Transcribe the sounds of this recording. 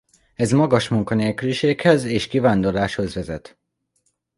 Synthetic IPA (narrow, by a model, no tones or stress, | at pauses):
ɛzmɒɡɒʃmuŋkɒneːlkyliʃeːkhɛzeːʃkivaːnd̪o̞rlaːʃho̞zʋɛzɛt̪